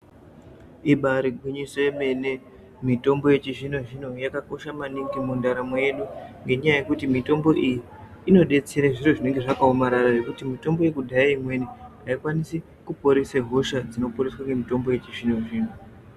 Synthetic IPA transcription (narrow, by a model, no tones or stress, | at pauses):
iɓaɾiɡʱwiɲisojeme̞ne̞ | mito̞mbo̞je̞t͡ʃiʐino̞ʐino̞jakako̞ʃamaniŋɡimundaɾamoje̞ɗuŋɡe̞ɲajaje̞kutimito̞mbo̞ʔijiː | no̞ɗe̞t͡se̞ɾaʐiroʐine̞ŋɡe̞ʐakaomaɾaraʐe̞kutimito̞mbo̞je̞kudʱajaimwe̞niɦaikwanisi | kupoɾeseɦo̞ʃad͡zino̞poreswaŋɡemito̞mboje̞t͡ʃiʐino̞ʐiːno